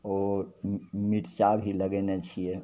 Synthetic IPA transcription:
o | miʈt͡ʃabʱiləɡɛnet͡ʃʰije

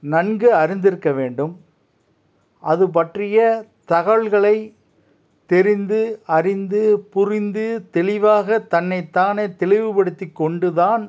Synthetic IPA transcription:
nɐnɡɯɐɾɪnd̪ɪɾɯkːɐʋeːɳɖɯm | ʔɐðɯp̬ɐʈrɪjɐt̪ɐɣɐɭɣɐɭɐɪ | t̪ɛɾɪnd̪ɯɐrɪnd̪ɯpʊrɪnd̪ɯt̪ɛɭɪʋaːɣɐt̪ɐnːɐɪt̪ːaːneːt̪ɛɭɪʋɯpɐɽɯt̪ːɪkːɔɳɖɯðaːn

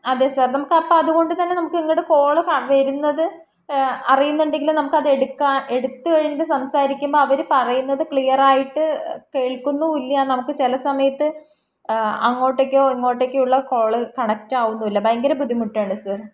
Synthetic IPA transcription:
ɐðeːsaːrnɐmukːɐpːoɐðuɣo̞ɳɖɨt̪ɐnːe̞nɐmukːeŋːɐɽeko̞ːɭɨkɐʋɐɾunːɐðɨ | ɐrijunːuɳɖe̞ŋɡilumnɐmukːɨɐðe̞ɽukːaːne̞ɽut̪ːɨkɐɻinːɐðɨsɐmsaːɾikʲːumboːɐʋɐɾupɐrɐjunːɐðɨkɭijɐraːjiʈːɨke̞ːɭkunːuilːjianɐmukːɨt͡ɕelɐsɐmɐjɐt̪ːɨ | ɐŋːo̞ːʈːekʲːo̞ːeŋːo̞ːʈːekʲːejuɭːɐko̞ːɭɨkɐɳɐk̚taːɣunːuilːɐbɐjŋɡɐɾɐbud̪ʱimuʈːaːɳɖɨsaːr

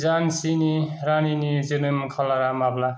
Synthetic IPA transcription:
zansiniɾaninizɯnɯmkʰalaɾamabla

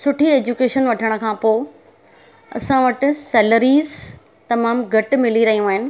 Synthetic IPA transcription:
sʊʈʰieːd͡ʑuːkeːʃənʋɐʈʰəɽ̃ə̆kʰãːpoː | ɐ̰sãʋɐʈɪ̆sɛːləɾiːz | t̪ɐmaːmɡʱɐʈmɪliɾɐɦijũaːɦɪnɪ̆

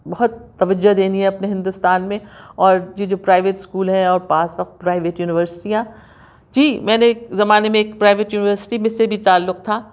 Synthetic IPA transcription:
bɐɦʊt̪ːɐʋəd͡ʒːoɦd̪eːniɦɛ̃ɐpneɦɪ̃nd̪ʊst̪aːnmẽɔːɾjid͡ʒoːpɾaːɪʋeːʈɪskuːlɦɛ̃ɔːɾpaːsʋɐq̚t̪̚pɾaːɪʋeːʈjuːnɪʋəɾsɪ̥ʈijã | d͡ʒiːmɛ̃ːnekzɐmaːnemẽeːkpɾaːɪʋeʈjuːnɪʋəɾsɪ̥ʈimẽsebʱit̪aːlːʊq̚t̪ʰaː

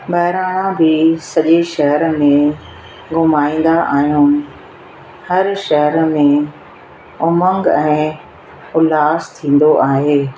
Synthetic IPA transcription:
bɐɦɪɾaːɽ̃ãbɪsɐʄeʃɐɦəɾmẽ | ɡʊmaːĩːn̆d̪aʔaːɦijuːnɪ̆ | hɐɾʃɐɦəɾmẽ | ʊmə̃ŋɡɛ̃ː | ʊlaːzt̪ʰĩːn̆d̪oʔaːɦeː

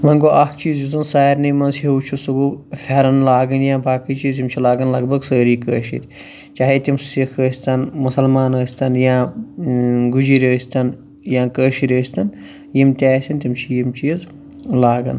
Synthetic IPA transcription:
mɐ̃nɡoːʔaːkʰt͡ʃiːzjizɐnsaːjiɾniːmɐnzhiuːt͡ʃʰusuɡuːfeɾɐnlaːɡɐnjãːbaːkiːt͡ʃiːzimt͡ʃʰilaːɡɐnlɐɡbɐɡsəːɾiːkəːʃḭt̪ʲ | t͡ʃaːɦet̪ʲimsikʰəːsʲt̪ɐnmʊsɐlmaːnəːsʲt̪ɐnjãː | ɡud͡ʒiɾʲəːsʲt̪ɐn | jãːkəːʃiɾʲəːsʲt̪ɐn | jimt̪ʲaːsʲɐnt̪imt͡ʃʰijimt͡ʃiːz | laːɡɐ̰n

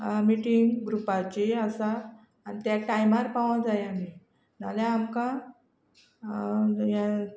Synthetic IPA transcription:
miʈiŋɡɡɾupat͡ɕiasaː | nit̪jaʈajmaɾpaʋãd͡zajami | na̰ljãːmka | ja

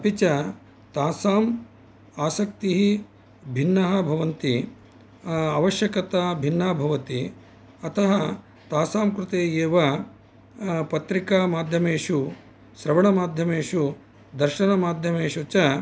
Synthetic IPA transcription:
ɐpit͡ʃɐ | t̪aːsaːm | aːsɐkt̪iɦi | bʱinːɐɦɐbʱɐʋɐnt̪i | ɐʋɐʃjɐkɐt̪aːbʱinːaːbʱɐʋɐt̪i | ɐt̪ʰɐɦɐ | t̪aːsaːmkɾut̪eːjeːʋɐ | pɐt̪ɾikaːmaːd̪ʱjɐmeːʂu | sɾɐʋɐɳɐmaːd̪ʱjɐmeːʂu | d̪ɐɾʃɐnɐmaːd̪ʱjɐmeːʂut͡ʃɐ

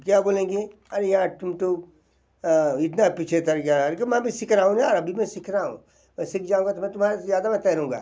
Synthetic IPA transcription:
kjaːboːlẽːŋɡe | ɐɾejãt̪ʊmt̪o | ɪt̪napit͡ʃʰet̪ɐɾɡjaɾkemɛ̃bʱisɪkʰɾaːũnaɔɾɐbʱimɛ̃sɪkʰɾaːɦṵ̃ | mɛ̃sɪkʰd͡ʒaːũŋɡat̪omɛ̃t̪ʊmaɾezjaːd̪amɛ̃t̪ɛɦɾũːɡa̰ː

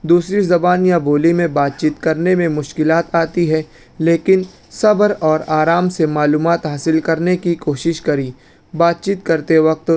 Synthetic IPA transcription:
d̪uːsɾizɐbaːnjabʱoːlimẽbaːt̪̚t͡ʃiːt̪kɐɾnemẽmʊʃkɪlaːt̪aːt̪iɦɛː | leːkɪn | sɐbəɾɔːɾaːɾaːmsemaːluːmaːt̪ɦaːsɪlkɐɾnekikoːʃɪʃkɐɾi | baːt̪̚t͡ʃiːt̪kɐɾt̪eʋɐk̚t̪

